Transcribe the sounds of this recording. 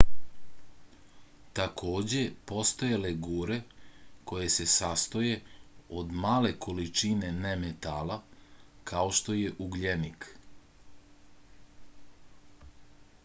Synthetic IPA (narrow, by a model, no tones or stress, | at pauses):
t̪akʰoːd͡ʑe̞po̞st̪ojeleɡuːɾe̞ko̞je̞se̞sast̪oje̞od̪maːle̞ko̞lit͡ʃine̞nemet̪aːlakʰao̞ʃt̪o̞je̞ʔuɡʎenik